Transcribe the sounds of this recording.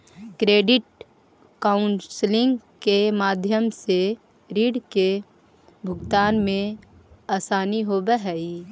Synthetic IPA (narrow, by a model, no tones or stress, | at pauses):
kɾeːɖɪʈ̚ | kaːʊnslɪ̃ŋɡkemaːd̪ʱjəmse | ɾiːɖke | bʱʊɡt̪aːnmẽaːsaːniɦoːbəɦɛi